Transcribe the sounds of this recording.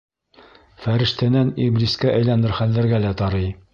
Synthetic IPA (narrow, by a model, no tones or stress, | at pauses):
fæɾɘ̆ʃt̪ænæniblʲiskæʔæjlænɘɾχælːɘ̆ɾɡælæt̪ɑɾɤj